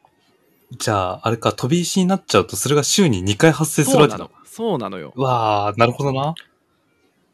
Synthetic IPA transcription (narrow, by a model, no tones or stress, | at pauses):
d͡ʑaːaɾe̞kat̪ʰo̞bʲiːɕiɲ̟inatt͡ɕaɯ̟t̪o̞soɾe̞ɡaɕɨːɲ̟iɲ̟ikaiɦasːe̞ːsɨɾɯβated | oːnaojo̰βaːnaɾɯ̟ho̞d̪o̞na